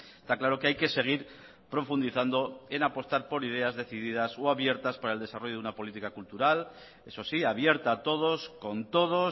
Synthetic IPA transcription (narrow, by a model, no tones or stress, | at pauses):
est̪aklaɾo̞ke̞ajke̞se̞ɣ̞iɾ | pɾo̞fund̪iθand̪o̞e̞napo̞st̪aɾpo̞ɾið̞e̞azðe̞θiðiðasoaβje̞ɾt̪aspaɾaeld̪e̞saro̞ʝounapo̞lit̪ikakult̪uɾal | e̞so̞siaβje̞ɾt̪aːt̪o̞ð̞o̞sko̞nt̪o̞ð̞o̞